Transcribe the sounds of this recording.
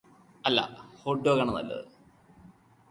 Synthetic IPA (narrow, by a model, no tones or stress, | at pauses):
ɐlːɐ̰hoːɖːoːkɐɳɐnɐ̰lːɐ̰ðɨ